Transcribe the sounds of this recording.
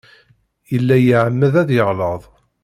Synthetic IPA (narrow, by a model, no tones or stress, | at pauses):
jəlːæjəʕəmːəðæðjəʁləðˤ